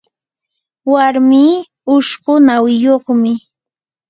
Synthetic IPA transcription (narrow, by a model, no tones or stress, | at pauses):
waɾmiː | ʊʃɢʊnawɪjoχmɪ